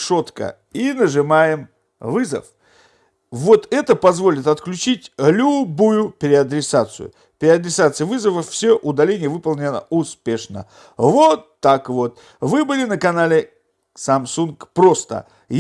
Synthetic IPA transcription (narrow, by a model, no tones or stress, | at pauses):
ʂo̞t̪kə̰ | inəʐɨmajɪm | vɨzə̰f | vo̞t̪ɛt̪əpɐzvo̞lʲɪt̪ɐt̪klʲʉt͡ɕitʲlʲʊbujʊpʲɪɾʲɪɐd̪ɾʲɪsat̪sɨ̰jʊ̰ | pʲɾʲɪɐd̪ɾʲɪsat̪sɨjvɨzəvəfsʲoʔʊd̪ɐlʲenʲɪjəvɨpəlˠnʲɪnə̰ʊspʲe̞ʂnə̰ | vot̪ːakvo̞t̪ | vɨbɨlʲɪnəkɐnalʲɪ | sɐmsunkpɾo̞st̪ə̰ | j